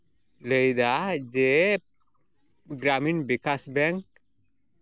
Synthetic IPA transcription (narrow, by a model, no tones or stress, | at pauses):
ləjd̪ad͡ʒe | ɡɾaminbikasbɛŋk